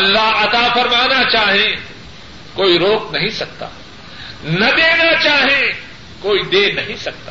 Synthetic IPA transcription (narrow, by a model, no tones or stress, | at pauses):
ɐlːaɦɐt̪aːfɐɾmaːnat͡ʃaːɦẽ | koːiɾoːknɐɦĩsɐk̚t̪a̰ː | nɐd̪eːnat͡ʃaːɦẽ | koːid̪eːnɐɦĩsɐk̚t̪aː